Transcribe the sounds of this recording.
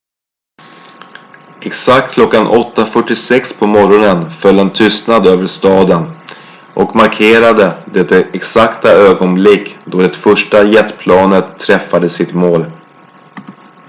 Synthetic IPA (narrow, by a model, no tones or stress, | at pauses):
ɛksakt̪̚kʰlɔkːanʔɔt̪ːafœʈːɪsɛkspʰɔmɔɾɔnənfœlːɛnt̪ʰʏst̪nad̪øːvəʂt̪ɑːd̪ən | ʔɔkmaɾkʰeːɾad̪əd̪ɛt̪ːɛɛksakt̪aøːɡɔnblɪkːd̪ɔɖɛt̪fœʂʈajɛt̪ːpʰlɑːnət̪ʰːɾɛfːad̪əsɪt̪moːl